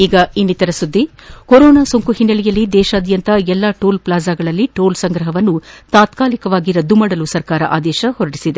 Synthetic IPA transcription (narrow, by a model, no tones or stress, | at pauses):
iːɡɐinːit̪ɐɾɐsud̪ːi | koɾɔːnaːsoŋkuhinːɐɭijɐlːid̪ɛːʃɐːd̪jɐnt̪ɐɛlːaʈoːlplaːzaːɡɐɭɐlːiʈoːlsɐŋɡɾɐɦɐʋɐnːut̪aːt̪kaːlikɐʋaːɡiɾɐd̪ːumɐɽɐlusɐɾkaːɾɐ̰ʔa̰ːd̪ɛːʃɐhɔɾɐɽisid̪e